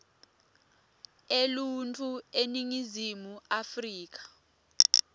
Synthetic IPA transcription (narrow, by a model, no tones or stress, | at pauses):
eluntʼueniŋizimuafriːk̬ḁ